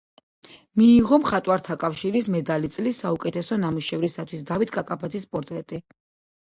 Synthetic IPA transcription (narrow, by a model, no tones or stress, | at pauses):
miːʁɔmχat̪ʼwaɾt̪ʰakʼafʃiɾismɛd̪alit̪sʼlisaukʼɛt̪ʰɛsɔnamuʃɛvɾisat̪ʰwisd̪avit̪ʰkʼakʼapʰad̪zʰispʼɔɾt̪ʼɾɛt̪ʼi